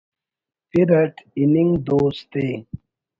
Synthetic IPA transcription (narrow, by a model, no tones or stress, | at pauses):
piɾɐʈiniŋd̪oːst̪e